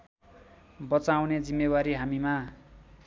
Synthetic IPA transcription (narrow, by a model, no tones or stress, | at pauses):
bʌt͡sawned͡zimːewaɾiɦamima